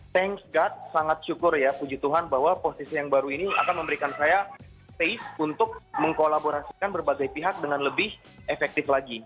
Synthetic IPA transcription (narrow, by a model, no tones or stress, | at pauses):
t̪ɛŋsɡat̪̚saŋat̪̚ʃukʊrjapud͡ʒut̪uɦanbaɦwaposisijaŋbaɾuinia̰kanməmbəɾikansaja | peɪsunt̪ʊk̚məŋkolaboɾasi̥kanbərbaɡajpiɦak̚dəŋanləbɪh | efɛk̚t̪ɪflaɡi